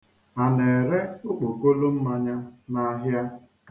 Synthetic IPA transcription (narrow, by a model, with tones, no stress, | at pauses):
a˨ne˨ɾe˦ʊ˦k͡po˨ko˦lo˦m̩˦ma˦ɲa˦na˦ɦja˦ | k